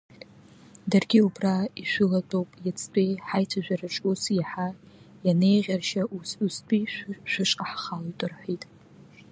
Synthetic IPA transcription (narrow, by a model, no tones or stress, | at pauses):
darɡʲiubraiʃʷʊlatʼowpʼjat͡sʰʼtʷʼejħajtʰaʒᶣaraʈ͡ʂʼusjaħa | jane̞jʁʲarʃaʔusustʼʰiʃʷᶣʊʃʷʼqʼaħχalojtʼɨrħʷitʼ